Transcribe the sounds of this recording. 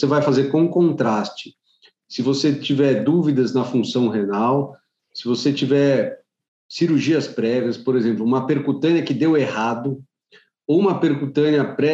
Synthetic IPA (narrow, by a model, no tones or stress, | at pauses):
sevajfazeɾkõkõnt̪ɾast͡ʃɪ̥ | sɪvoset͡ʃivɛɾd̪uvid̪ɐznɐfũsɐ̃w̃ɦenaw | sɪvoset͡ʃivɛɾ | siɾuɾʒiɐspɾɛviɐspoɾezẽmplʊũmɐpeɾkut̪ɐ̃niɐkɪd̪ewehad̪ʊ | owũmɐpeɾkut̪ɐ̃niɐpɾɛ